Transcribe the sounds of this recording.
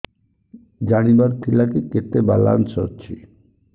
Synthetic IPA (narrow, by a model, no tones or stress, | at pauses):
d͡ʑanibaɾt̪ʰilakiket̪eba̰la̰nsɔ̰ɾt͡ɕʰḭ